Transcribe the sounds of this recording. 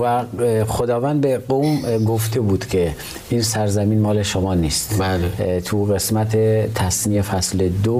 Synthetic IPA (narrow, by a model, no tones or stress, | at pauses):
væxod̪ɒːvænd̪̚beɡomɡoft̪ʰebuːd̪̥kʲʰe̞ | iːnsæɾzæmiːnmɒːleʃomɒːnist̪lt̪ʰuɣesmæt̪ʰet̪ʰæsmiːefæsled̪o